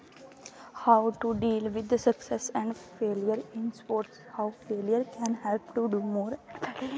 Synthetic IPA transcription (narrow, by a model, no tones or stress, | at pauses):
haʊʈuɖiːlʋɪd̪səksɛsɛ̃ɳɖfeːljəɾɪ̃nspoːɾʈshaʊfeːlijəɾkɛ̃nhɛlpʈuɖuːmoːɾɛ